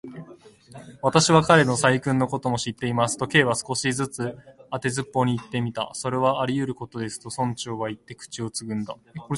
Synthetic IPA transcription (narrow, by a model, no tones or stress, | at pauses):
βat̪aɕiβakaɾe̞no̞saikɯ̟̃nːo̞ko̞t̪o̞mo̞ɕit̪ːe̞imasɨ̥t̪o̞ke̞ːβasɨ̥ko̞ɕid͡zɨt͡sɨat̪e̞zɨpːo̞ɲ̟iːt̪ːe̞mʲit̪a̰so̞ɾe̞βaːɾʲijɯ̟ɾɯ̟ko̞t̪o̞d̪e̞sɨ̥t̪o̞sõ̞ɲ̟t͡ɕo̞ːβait̪ːe̞kɯ̟̥t͡ɕio̞t͡sɨɡɯ̟̃nd̪a